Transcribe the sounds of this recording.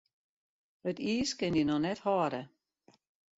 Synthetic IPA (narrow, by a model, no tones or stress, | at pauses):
ətʰiːskɪndinɔnɛthɔɾə